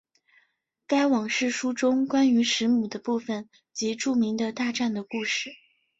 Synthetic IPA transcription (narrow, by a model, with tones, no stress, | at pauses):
ka˥ɪwɑ˨˩ŋʂɻ̩˥˩ʂu˥ʈ͡ʂʊ˥ŋkwa˥ny˧˥ʂɻ̩˧˥mu˨˩d̪ə˦pu˥˩fə˨˩n | t͡ɕi˧˥ʈ͡ʂu˥˩mi˧˥ŋd̪ə˧t̪a˥˧ʈ͡ʂa˥˩nd̪ə˩ku˥˧ʂɻ̩˥˩